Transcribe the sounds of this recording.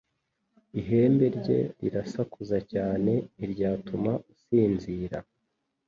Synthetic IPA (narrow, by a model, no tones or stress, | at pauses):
iɦe̞ːmbe̞ɾɟe̞̰ɾḭɾasakʰuzacaːne̞iɾɟaːtumausiːnziːɾa